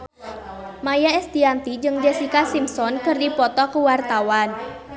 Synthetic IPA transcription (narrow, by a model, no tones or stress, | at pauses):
majaɛst̪iant̪id͡ʒɨŋd͡ʒɛsikasimsɔnkɨrdipɔt̪ɔkəwart̪awan